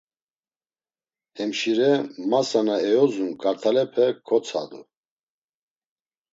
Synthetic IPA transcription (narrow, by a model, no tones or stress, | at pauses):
hɛmʃiɾɛmasanaɛɔzunkʰʼaɾt̪ʰalɛpʰɛkʰɔt͡sʰa̰d̪ṵ